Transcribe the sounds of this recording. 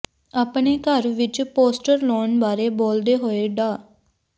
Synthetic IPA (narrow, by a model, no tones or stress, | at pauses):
aːpɳeːkəɾʋɪt͡ʃpoːsʈəɾloːnbaːɾeːboːld̪eːɦoːeːɖaː